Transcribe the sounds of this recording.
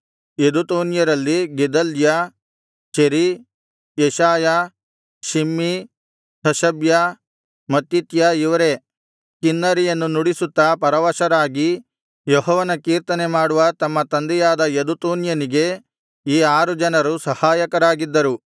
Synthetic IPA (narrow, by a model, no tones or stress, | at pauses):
ed̪ut̪uːnjɐɾɐlːiɡɛd̪ɐlja | ʃeɾi | jɛʃaːja | ʃimːi | hɐʃɐbja | mɐt̪ːit̪jaiʋɐɾe̞ | kinːɐɾijɐnːunuɽisut̪ːɐpɐɾɐʋɐʃɐɾaːɡi | jɔɦɔːʋɐnɐkiːɾt̪ɐnemaːɽuʋɐt̪ɐmːɐt̪ɐnd̪ɛjaːd̪ɐed̪ut̪uːnjɐniɡe̞ | iːaːɾud͡ʒɐnɐɾusɐhaːjɐkɐɾaːɡid̪ːɐɾu